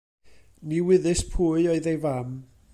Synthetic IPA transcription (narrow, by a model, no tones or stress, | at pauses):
niwɪðɨspʰuːɨɔɨðejvam